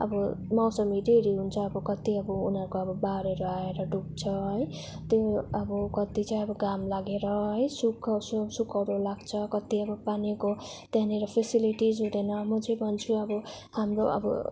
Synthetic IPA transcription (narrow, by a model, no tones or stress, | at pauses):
ʌ̰bʌmawsʌmiɖeɾiɦunt͡sʰʌːbʌkʌt̪iʌbʌunɦʌɾkoʌbʌbaɾeɾuaeɾʌɖuk̚t͡sʰʌɦʌj | t̪joʌbʌkʌt̪it͡saĩʌbʌɡamlaɡeɾʌɦʌjsukʰʌsusukʰʌɾulaɡt͡sʰʌkʌt̪ːiʌbʌpanekot̪janeɾʌpʰesiliʈizɦũd̪ʌnʌmʌt͡sʌjbʱʌnt͡sʰuʌbʌ | hamɾoʌ̰bʌ̰